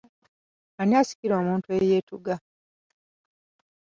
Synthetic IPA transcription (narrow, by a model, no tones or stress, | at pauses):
aniasi̥kiɾo̞ːmuːntuejeːtuɡa